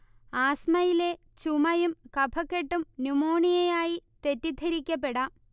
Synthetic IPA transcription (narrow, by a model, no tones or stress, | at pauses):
aːsmɐjile̞ | t͡ɕumɐjumkɐbʰʱɐkːeʈːumnumoːɳijejaːjit̪e̞tːid̪ʱɐɾikʲːɐp̬ːe̞ɽɐ